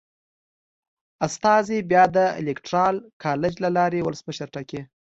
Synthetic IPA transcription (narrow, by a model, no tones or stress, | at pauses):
ast̪ɑzebjɑd̪əḛlekʈɾɑlkʰɑled͡ʒlalɑɾewʊləsməʃəɾʈake